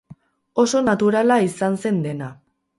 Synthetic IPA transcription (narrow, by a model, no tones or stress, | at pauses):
o̞so̞nat̪uɾalaisanse̞nd̪e̞na